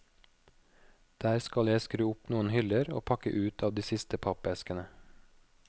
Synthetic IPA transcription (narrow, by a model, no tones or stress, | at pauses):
d̪̥æːɾskɑljæɪskɾʉːʊpnuːənhʏləɾo̰ːpʰɑkə̰ʔʉːt̪ʰɑːʋd̪iːsɪst̪əpʰɑpɛskənə